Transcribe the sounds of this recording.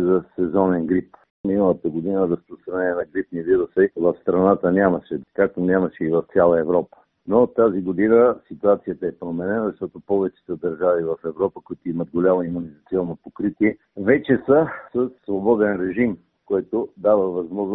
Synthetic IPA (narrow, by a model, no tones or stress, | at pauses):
zɐsɛzɔnɛnɡɾip | minəlˠət̪əɡod̪inəɾɐspɾost̪ɾɐnɛnɛnɐɡɾipniviɾusəvɐfst̪ɾɐnat̪ənʲamɐʃɛkak̚t̪onʲamɐʃɛivɐft̪sʲalˠəɛvɾɔpə̥ | not̪aziɡod̪inəsit̪uat̪sijət̪ɐɛpɾomɛnɛnəzɐʃt̪ɔt̪opɔvɛt͡ʃɛ̥t̪əd̪ɐɾʒavivɐfɛvɾɔpəkʊit̪oiməd̪̚ɡolʲamoimunizɐt̪siɔnːopokɾit̪iɛ | vɛt͡ʃɛsəsəsːvobɔd̪ɛnɾɛʒim | kɔjt̪od̪avəvɐzmɔʒn